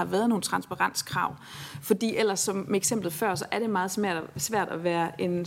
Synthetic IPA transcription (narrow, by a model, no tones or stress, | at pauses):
ɑ̈ʋæɐðˠno̝ːn̩t͡sʰʁɑ̈nsb̥ɑ̈ʁɑ̈n̰skʰʁɑ̈ʊ̰ | fɒ̽d̥ḭːel̰ɐsːɒ̽mmeeɡ̥sem̰b̥lð̩ˠfɶɐ̰sɒ̽ʔæɐɾ̥e̝mɑ̈ːð̞̩ˠsmæɐ̰sʋæɐ̰d̥æʋæːɐe̝n